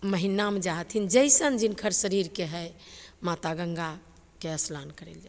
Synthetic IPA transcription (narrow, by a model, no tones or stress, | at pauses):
məɦinamed͡ʒaɦt̪ʰind͡ʒəɪsənd͡ʒinkʰəɾsəɾiɾkeɦɛjmat̪aɡəŋɡa | keəslankəɾḛld͡ʒa